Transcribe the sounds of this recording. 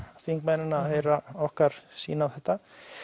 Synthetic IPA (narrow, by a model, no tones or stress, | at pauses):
fiŋkmɛnɪnaaðheːjɾaɔhkaɾ̥sḭːnawθɛht̪ːa